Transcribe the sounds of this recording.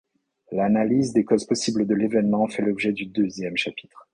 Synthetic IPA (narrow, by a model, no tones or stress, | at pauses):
lanalizd̪ekɔzpɔsibləd̪əlevɛnmɑ̃fɛlɔbʒɛd̪yd̪øzjɛmʃapi̥t̪χ